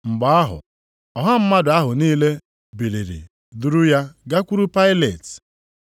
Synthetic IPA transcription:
ŋ͡m̩˨ɡ͡ba˨a˦ɦʊ̰˨ | ɔ˨ɦa˦m̩˦ma˦dʊ˨a˦ɦʊ˨niː˦le˦ | bi˨li˨ɾḭ˨ | du˦ɾʊ˦ja˦ɡa˦kʷu˦ɾu˦pa˦ɪ˦le˨t

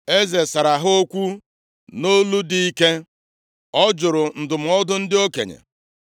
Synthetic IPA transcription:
e˦ze˨sa˨ɾa˨ɦo˦kʷu˦ | no˦lu˦di˦i˦ke˦ | ɔ˦d͡ʒʊ˨ɾʊ˨n̩˨dʊ˨m̩˨ɔ˦dʊ˦n̩˦dɪ˦o˦kḛ˨ɲḛ˨

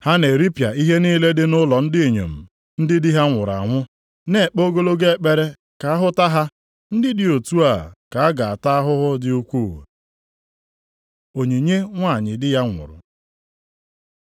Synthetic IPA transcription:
ha˦ne˨ɾi˦pja˨i˦ɦe˦niː˦le˦dɪ˦nʊ˦lɔ˨n̩˦dɪ˦˨ɲo̰˨m̩˨ | n̩˦dɪ˦dɪ˦ɦa˦ŋʷʊ˨ɾa̰˨ŋʷʊ˦ | ne˦˨k͡po˦ɡo˦lo˦ɡe˦e˦˨k͡pe˦ɾe˦ | ka˨a˦ɦʊ˦ta˦ɦa˦ | n̩˦dɪ˦dɪ˨o˨tu˦a˨ka˨a˦ɡa˨a˨ta˦a˦ɦʊ˦ɦʊ˦dɪ˦u˦kʷu˦˨wḛ˨ | o˨ɲe˨ɲe˦ŋʷa˦˨ɲɪ˨dɪ˦ja˦ŋʷʊ̰˨ɾʊ̰˨

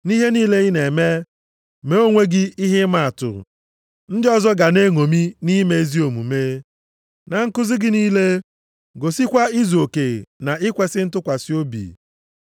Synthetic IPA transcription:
ni˦ɦe˦niː˦le˦ɣi˦ne˨me˦ | me˨o˦ŋʷe˦ɡɪ˦i˦ɦɪ˦ma˨a˨tʊ̰˨ | n̩˦dɪ˦ɔ˨zɔ˦ɡa˨ne˦ŋo˨mi˦ni˦me˦zi˦o˨mṵ˨me˦ | na˨ŋ̩˦kʊ˦zɪ˦ɡɪ˦niː˦le˦ | ɡo˨si˦kʷa˦i˦zo˨ke˨na˨ʔɪ˦kʷe˨sɪ˦n̩˦tʊ˦kʷa˨sɪ˦o˦bḭ˨

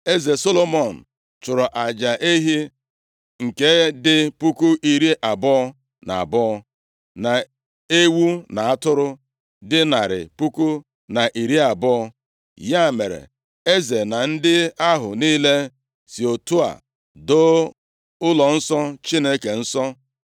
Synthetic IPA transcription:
e˦ze˨so˦lo˦mɔ˨n̩˨ | t͡ʃʊ˨ɾɔ˨ʔa˨d͡ʒa˨ʔe˦ɦi˦ | ŋ̩˨ke˦dɪ˦pu˦ku˦ʔi˨ɾi˦ʔa˨bɔ˦ | na̰˨a̰˨bɔ˦ | na˨ | e˦wu˦na˨a˦tʊ˦ɾʊ˦ | dɪ˦na˨ɾɪ̰˨pu˦ku˦ | na˨ʔi˨ɾi˦a˨bɔ˦ɔ˦ | ja˦˨me˨ɾḛ˨ | e˦ze˨na˨n̩˦dɪ˦a˦ɦʊ˨niː˦le˦ | si˨o˨tu˦a̰˨ | do˦ | ʊ˦lɔ˨n̩˦sɔ˦t͡ʃi˦ne˦ke˨n̩˦sɔ˦

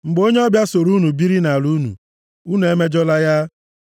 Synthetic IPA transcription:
ŋ͡m̩˨ɡ͡bo˦ɲe˦ɔ˦bja˦so˨ɾu˦nu˨bi˦ɾi˦na˨lu˦nṵ˨ | u˦nu˨e˦me˦d͡ʒɔ˦la˦ja˦

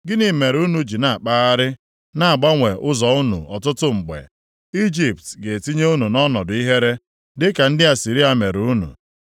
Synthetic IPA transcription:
ɡɪ˦ni˨me˨ɾu˦nu˨d͡ʒi˨na˨a˨k͡paː˦a˦ɾɪ˦ | na˨ɡ͡ba˦ŋʷe˨ʔʊ˦zɔ˨ʊ˦nṵ˨ʔɔ˨tʊ˦tʊ˦ŋ͡m̩˨ɡ͡bḛ˨ | i˦d͡ʒi˨p̚tɡe˨ti˦ɲe˦u˦nu˨nɔ˦nɔ˨dʊ˨˦i˦ɦe˦ɾe˦ | dɪ˦ka˨n̩˦dɪ˦a˨si˨ɾi˦a˨me˨ɾu˦nṵ˨

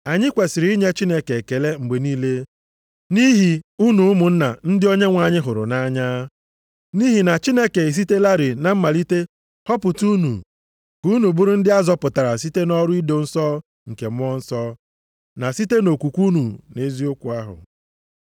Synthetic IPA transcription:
a˨ɲɪ˦kʷe˨sɪ˨ɾi˦ɲe˦t͡ʃi˦ne˦ke˨ke˨le˦ŋ͡m̩˨ɡ͡be˨niː˦le˦ | ni˦ɦi˨u˦nu˨ʊ˦mʊ˨n̩˦na̰˨n̩˦dɪ˦o˦ɲe˦ŋʷa˨ɲɪ˦ɦʊ˨ɾʊ̰˨na˦ɲaː˦ | ni˦ɦi˨na˨t͡ʃi˦ne˦ke˨i˨s̬i˦te˦la˦ɾɪ˨na˨m̩˦ma˨li˦te˦ | hɔ˦pʊ˨tu˦nṵ˨ | ku˦nu˨bʊ˦ɾʊ˦n̩˦dɪ˦a˦zɔ˦pʊ˨ta˨ɾa˨si˦te˦nɔ˦ɾʊ˦i˦do˨n̩˦sɔː˦ | ŋ̩˨ke˨m˦ɔ˦n̩˦sɔ˦ | na˨si˦te˦no˨kʷu˨kʷu˦nu˨ne˦zi˦o˦kʷu˨a˦ɦʊ̰˨

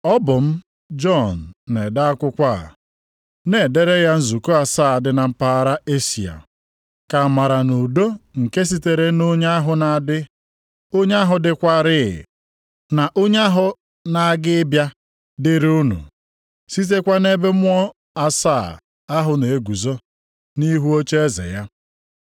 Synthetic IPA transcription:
ɔ˦bʊ˨m̩˦ | d͡ʒɔ˦˨n̩˨ne˨da˦a˦kʷʊ˦kʷa˦˨ | ne˨de˦ɾe˦ja˦n̩˦zu˨ko˦a˨saː˦˨a˨dɪ˦na˨m̩˦pa˦ɾa˦e˦si˨a̰˨ | ka˨ma˨ɾa˨nu˨do˦ŋ̩˨ke˦s̬i˦te˨ɾe˦no˦ɲ˦a˦ɦʊ˨na˨dɪ˦ | o˦ɲe˦a˦ɦʊ˨dɪ˦kʷa˦ɾɪ̰˦˨ | na˨ʔo˦ɲ˦a˦ɦʊ˨ | na˨a˦ɡɪ˦bja˦ | dɪ˦ɾʊ˦nṵ˨ | si˦t̬e˦kʷa˦ne˦be˦mʊ˦ɔ˦ | a˨saː˦˨ | a˦ɦʊ˨ne˨e˦ɡu˨zo˦ | ni˦ɦu˦o˦t͡ʃe˦e˦zḛ˨ja˦

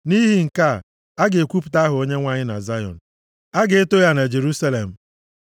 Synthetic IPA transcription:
ni˦ɦi˨ŋ̩˨ka˦˨ | a˦ɡe˨kʷu˦pu̥˨ta˦ɦʊ˨o˦ɲe˦ŋʷa˦ɲɪ˦na̰˨za˦jɔ̰˨n̩˨ | a˦ɡe˨e˦to˦ja˦ne˨d͡ʒe˨ɾu˦sa˦le˨m̩˨

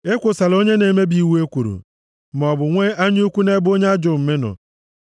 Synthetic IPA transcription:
e˦kʷʊ˨sa˨lo˦ɲe˦ne˨me˦bi˨˦we˦kʷu˨ɾṵ˨ | m˨ɔ˨bʊ˨ŋʷe˦a˦ɲ˦u˦kʷu˦ne˦bo˦ɲe˦a˦d͡ʒʊ˨m̩˨me˦nɔ̰˨

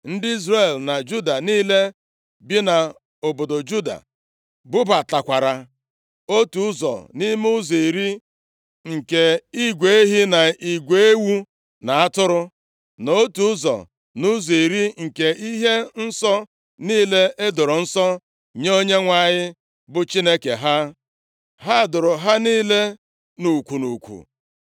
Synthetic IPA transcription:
n̩˦dɪ˦i˦zre˨lna˨d͡ʒu˦da˨niː˦le˦ | bi˦na˨ | o˨bo˨do˨d͡ʒu˦da̰˨ | bʊ˦ba˨ta˨kʷa˨ɾa˨ | o˦tu˨ʊ˦zɔ̰˨ni˦m˦ʊ˦zi˨i˨ɾi˦ | ŋ̩˨ke˨i˦ɡʷe˨e˦ɦi˦na˨i˨ɡʷe˨e˦wu˦ | na˨a˦tʊ˦ɾʊ˦ | no˦tu˨ʊ˦zɔ̰˨ | nʊ˦zi˨i˨ɾi˦ŋ̩˨ke˨i˦ɦe˦n̩˦sɔ˦ | niː˦le˦ʔe˦dʊ˨ɾʊ˨n̩˦sɔ˦ | ɲ˦o˦ɲe˦ŋʷa˨ɲɪ˦ | bʊ˨t͡ʃi˦ne˦kḛ˨ɦa˦ | ɦa˦˨dʊ˨ɾʊ˨ɦa˦niː˦le˦ | nu˨kʷu˨nu˨kʷṵ˨

